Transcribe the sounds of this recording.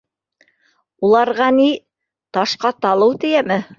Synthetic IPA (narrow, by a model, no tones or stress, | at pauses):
ulˠɑɾʁɑni | t̪ɑʃqɑt̪ɑlˠɤwt̪ɘ̆jæmɘ